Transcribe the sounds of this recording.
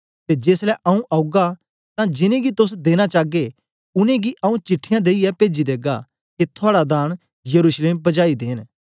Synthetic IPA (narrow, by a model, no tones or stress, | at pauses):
t̪ed͡ʒeːslɛʔɐũʔɐʊɡa | t̪ãd͡ʒɪnẽɡit̪ʊs̬d̪eːñat͡ʃaːɡe | ʊnẽɡiʔɐũt͡ʃɪʈʰːɪjãd̪eːiɛpeːd͡ʒid̪eːɡa | ket̪ʰʊaːɽad̪ãːɽ̃ | jɐɾuʃleːmbɐd͡ʒaːid̪eːn